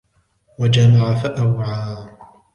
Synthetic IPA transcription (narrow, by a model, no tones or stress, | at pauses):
wad͡ʒamaʕafaʔawʕaː